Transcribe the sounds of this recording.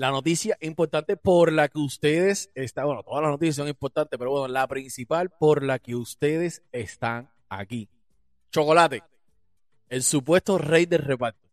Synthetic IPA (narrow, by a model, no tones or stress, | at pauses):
lano̞t̪isjaʔimpo̞ɾt̪ant̪e̞po̞ɾlakeust̪e̞ðe̞sest̪awenot̪oðalasnot̪isjas̬o̞ŋimpo̞ɾt̪ant̪e̥peowenolapɾinsipalpo̞ɾlakeust̪e̞ðe̞se̞st̪aŋ | a̰ki | t͡ʃo̞ko̞lat̪e̞ | e̞lsupwe̞st̪o̞rejd̪e̞re̞paɾt̪o